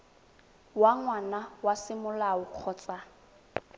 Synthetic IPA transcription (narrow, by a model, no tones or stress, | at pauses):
waŋwanawasɪmʊlaʊq͡χʰɔːt͡sʼa